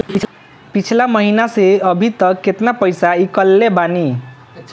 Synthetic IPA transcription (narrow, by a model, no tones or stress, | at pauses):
pit͡ʃʰlamʌɦinaseʌbʱit̪ʌket̪napʌjsaikʌlːebani